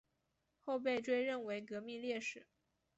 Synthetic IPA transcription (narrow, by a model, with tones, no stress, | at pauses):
xo˥˧ʊp̬e˥˧ɪʈ͡ʂwe˥˧ɪɻə˥˩nwe˧˥ɪkɤ˧˥mi˥˧ljɛ˥˩ʂɻ̩˨˩˦